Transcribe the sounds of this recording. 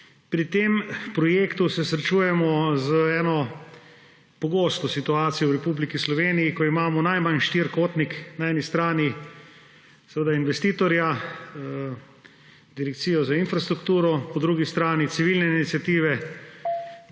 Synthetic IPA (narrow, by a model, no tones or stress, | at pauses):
pɾit̪empɾɔjeːkt̪usɛsɾɛt͡ʃuːjɛmɔzəɛːnɔ | pɔɡoːst̪ɔsit̪uaːt̪sijɔwɾɛpublikislɔʋeːnijːkɔimaːmɔnajmanʃt̪iɾkoːt̪niknaɛːnist̪ɾaːni | sɛʋəd̪ainʋɛst̪iːt̪ɔɾja | d̪iɾɛk̚t̪siːjɔzainfɾast̪ɾukt̪uːɾɔpɔd̪ɾuɡist̪ɾaːnit̪siʋilnɛinit̪sʲjat̪iːʋɛ